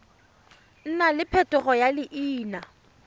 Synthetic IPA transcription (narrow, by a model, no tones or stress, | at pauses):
n̩nalɪpʰɛtʼʊɣɔjalɪʔiːna